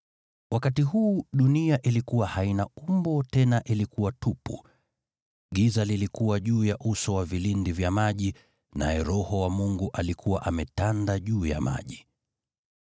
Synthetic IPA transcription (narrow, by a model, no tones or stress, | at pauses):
wʔakatiɦuːɗuniaʔilikuwahainaumbɔtɛnaʔilikuwatupṵ | ɠizalilikuwaʄuːjaʔusɔwavilindivjamaʄi | na̰jɛɾɔhɔwamuŋɡuʔalikʰuwaʔamɛtandaʄuːja̰ma̰ʄi